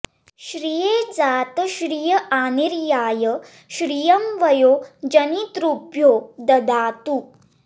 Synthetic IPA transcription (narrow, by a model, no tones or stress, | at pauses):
ɕɾijeːd͡zaːt̪əɕɾijəʔaːniɾjaːjə | ɕɾijɐmʋɐjoːd͡ʒɐnit̪ɾupjoːd̪ɐd̪aːt̪u